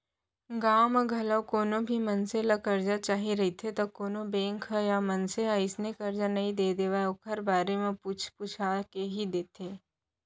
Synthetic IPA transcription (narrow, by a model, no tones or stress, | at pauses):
ɡaːməɡʱɐləwkoːnõbʱimɐnselakɐɾd͡ʒat͡ʃaːɦiɾɐɦit̪ʰet̪okoːnõbẽːŋkʰəjamɐnseɦaɪsnekɐɾd͡ʒanɐɦĩd̪eːd̪eːʋaokʰɐɾbaːɾemẽput͡ʃʰput͡ʃʰaːkeɦid̪eːt̪ʰeː